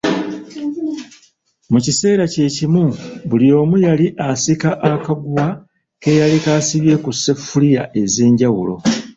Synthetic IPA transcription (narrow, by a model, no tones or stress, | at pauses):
mucise̞ːɾace̞ːcimuβulio̞ːmujaliʔasikaʔakaɡuwa | ke̞jalikaːsiβje̞kusːe̞fulijaʔe̞ze̞ːɲɟawulo̞̰